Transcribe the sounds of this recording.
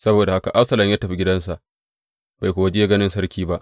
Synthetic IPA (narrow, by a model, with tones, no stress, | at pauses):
sɐ˦boː˨da˨ha˦ka˨ʔa˦ɸsɐ˨lɐ˨mja˦tɐ˨ɸi˦ɡʲɪ˦dɐ˦nsa˨ʔ | b̥a˨jkʷoː˨wɐ˦d͡ʒe˦ɡɐ˦nɪ˦nsɐ˦ɽkʲiː˦ba˦ʔ